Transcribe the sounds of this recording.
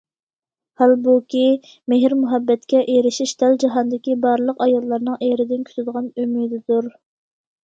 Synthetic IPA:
hælbukʲi | meɦɪɾmuɦɛbːɛt̪kʲɛʔeɾɪʃiʃt̪ʰɛld͡ʒɑɦɑnd̪ɪkʲibɑɾlˠəqɑjɑlˠːɑɾnɨŋʔeɾɪd̪ɪnkʲʰy̥t̪ʰyd̪əʁɑnymid̪ɪd̪uɾ

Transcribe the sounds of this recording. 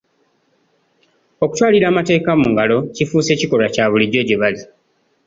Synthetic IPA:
o̞ku̥twaːliɾaːmate̞ːkamuŋɡalo̞cifuːse̞ːciko̞lacaːβuliɟo̞ɟe̞βali

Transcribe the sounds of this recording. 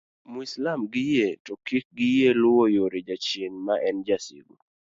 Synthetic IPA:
muislamɡɪjetɔkik̚ɡɪjelʊwojoɾed͡ʒat͡ʃjeŋmaʔɛnd͡ʒasḭɡu

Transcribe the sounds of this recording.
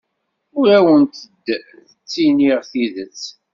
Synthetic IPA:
ʊɾæwənt̪əd̪ | θət͡sːiniʁθiðət͡sː

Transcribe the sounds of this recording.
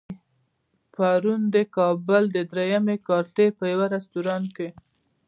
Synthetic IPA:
paɾund̪əkɑbəld̪əd̪ɾejamekɑɾt̪epəjawaɾast̪uɾɑnke

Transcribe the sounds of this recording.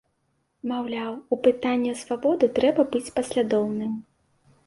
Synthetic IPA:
mawlʲawupɨt̪anʲːɐsvabɔd̪ɨt̪ɾɛbɐbɨt͡sʲpɐsʲlʲad̪ɔwnɨm

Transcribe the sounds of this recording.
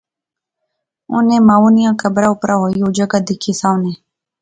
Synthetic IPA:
ʊ̰nẽːmaːuːnɪjãːkəbɾaːʊpɾʔaːɦoːiːoːd͡ʒəɡaːd̪ɪkʰiːsãːʊnẽː

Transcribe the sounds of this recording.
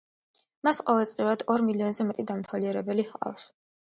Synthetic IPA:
masqʼɔvɛlˠt̪sʼlivɾad̪ɔɾmiliɔnzɛmɛt̪ʼid̪amt̪ʰwaliɛɾɛbɛlihqʼa̰fs

